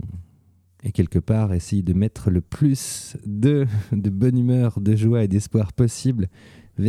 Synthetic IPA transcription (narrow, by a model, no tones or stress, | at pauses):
ekʲɛlkəpaʁesɛjd̪əmɛt̪χələplysd̪əd̪əbɔnymœʁd̪əʒwaed̪ɛspwaʁpɔsiblvɛ